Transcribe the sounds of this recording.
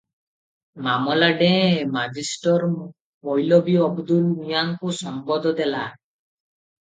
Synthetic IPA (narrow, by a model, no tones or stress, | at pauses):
mamɔlaɖẽmad͡ʒisʈɔɾ | mɔjlɔbiɔbd̪ulijaŋkusɔmbɔd̪ɔd̪ɛla